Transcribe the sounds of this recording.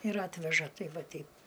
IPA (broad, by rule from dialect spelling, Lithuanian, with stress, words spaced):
ɪr ˈɑːtʲʋʲɛʒɐ ˈtʲɛɪ ˈʋɐ ˈtʲɛɪp